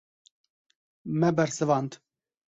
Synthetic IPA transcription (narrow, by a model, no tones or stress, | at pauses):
mɛbɛɾsɨvɑːnd̪